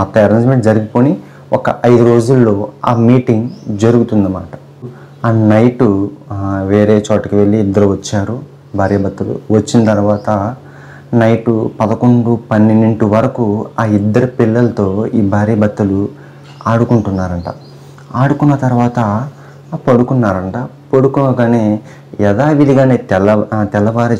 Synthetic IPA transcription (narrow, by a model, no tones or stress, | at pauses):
mɐt̪ːɐɛɾɐnsmeɳʈd͡ʒɐɾuɡipo̞ːni | ɔkɐʔɐjd̪uɾo̞ːd͡ʒulːo̞ːa̰ːmiːʈiŋɡd͡ʒɐɾuɡut̪unːd̪ɐma̰ːʈɐ̥ | aːnɐjʈu | ʋe̞ːɾeːt͡ʃoːʈɐkiʋe̞ɭːiːd̪ːɐɾuʋɐt͡ʃːaːɾu | bʱaːɾijɐbɐt̪ːɐlṵʋɐt͡ʃːinɐt̪ɐɾuʋaːt̪ɐ | nɐjʈupɐd̪ɐko̞ɳɖupɐnːinːeɳʈuʋɐɾɐkuaːid̪ːɐɾipiɭːɐlɐt̪o̞ːiːbʱaːɾiːɐbɐt̪ːɐlu | aːɽukuɳʈunːaːɾɐɳʈa̰ː | aːɽukunːɐt̪ɐɾuʋaːt̪ɐ | pɐɽukunːaːɾɐɳʈaː | poɽukunɐɡaːneː | ɛd̪aːʋid̪iɡaːneːt̪ɛlɐt̪ɛlːɐʋaːɾi